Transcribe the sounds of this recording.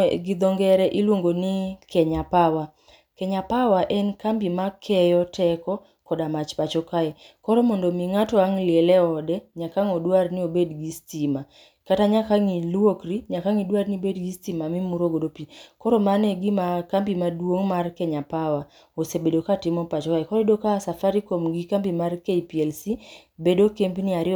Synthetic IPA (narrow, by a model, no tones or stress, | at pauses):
ɡid̪oŋɡɛɾɛʔilwoŋɡonɪkɛɲapawa | kɛɲapawaʔɛnkambimakʰɛjɔtʰɛkɔ | kɔdamat͡ʃpat͡ʃɔkaɛ | kɔɾɔmondomiŋatɔaŋlɪɛlɛɔdɛɲakaŋodwarnɪobedɡistima | kataɲakaŋilwokriɲakaŋidwarnibedɡistimamimuɾoɡodopikɔɾɔmanɛɡimakambimadwoŋmarkɛɲapawa | osebedokatɪmɔpat͡ʃɔkaɛkɔɾedokasafaɾikomɡikambimarkeipiɛlsi | bedokempiniaɾɪ